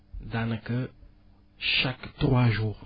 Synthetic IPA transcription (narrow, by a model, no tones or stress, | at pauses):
d̪ãnə̃kə | ʃakt̪χwaʒuːʁ